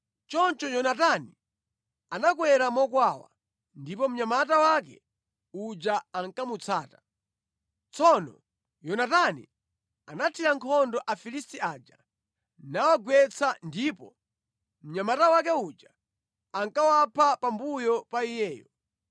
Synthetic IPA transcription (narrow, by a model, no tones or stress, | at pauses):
t͡ʃɔnt͡ʃɔjɔnatani | anakwɛɾamɔkwawa̰ | ndipɔm̩ɲamatawak̬ɛ̰ | ud͡ʒaaŋkamut͡sʰaːtḁ | t͡sʰɔnɔ | jɔnatanḭ | anatʰiɾaŋkʰɔndɔʔafilistiad͡ʒa̰ | nawaɡwɛt͡sʰandipɔ | m̩ɲamatawak̬ɛud͡ʒa | aŋkawapʰapambujɔpaijɛːjɔ